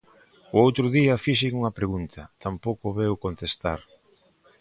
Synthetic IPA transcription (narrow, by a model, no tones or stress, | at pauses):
ʊowt̪ɾʊðiɐfiʃiŋuŋɐpɾeɣunt̪ʰɐt̪ampowkʊβewkont̪est̪a̰ɾ